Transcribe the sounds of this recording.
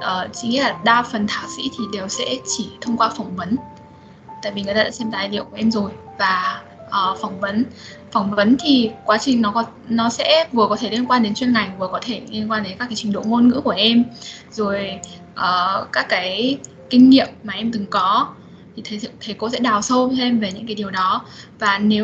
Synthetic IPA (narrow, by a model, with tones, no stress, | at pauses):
ʔəː˨˩t͡ɕi˨˦ŋi˧˥laː˨˩ɗaː˧fə˨˩nt̪ʰaː˧˨˩wsḭ˧˥t̪ʰi˨˩ɗe˨˩wsɛ̰˧˥t͡ɕi˧˩t̪ʰə˧wŋ͡mkwaː˧fa˧˩wŋ͡mvə˨˦n | t̪a̰ː˧˨jvi˨˩ŋɨ˨˩t̪aː˧a̰ː˧˥sɛ˧mt̪aː˨˩jlḭ˧˨əku˧˩əʔɛ˧mzo˨˩jvaː˨˩ | ʔəː˨˩fwŋ͡mvə˨˦n | fa˧˩wŋ͡mvə˨˦nt̪ʰi˨˩kwaː˨˦t͡ɕï˨˩ŋ̟nɔ˨˦kɔ˨˦nɔ˨˦sɛ̰˧˥vɨ˨˩kɔ˨˦t̪ʰe˧˩li˧ənkwaː˧nɗe˨˦nt͡ɕwi˧ənŋa˨˩jvɨ˨˩kɔ˨˦t̪ʰe˧˩li˧ənkwaː˧nɗe˨˦nkaː˦˥kːa˨˦t͡ɕï˨˩ŋ̟ɗo̰˧˨ŋo˧nŋɨ̰˧˥ku˧˩əʔɛ˧mzo˨˩j | ʔəː˨˩kaː˦˥kːaː˨˦j | kï˧ŋ̟ŋḭ˧˨əmːaː˨˩ʔɛ˧mt̪ɨ˨˩ŋkɔ˨˦ | t̪ʰi˨˩t̪ʰə˨˦˨t̪ʰə˨˦jko̰˧˥sɛ̰˧˥ɗaː˨˩wsə˧wt̪ʰe˧mve˨˩ɲɨ̰˧˥ŋkaː˨˦jɗi˨˩əwɗɔ˨˦vaː˨˩ne˨˦w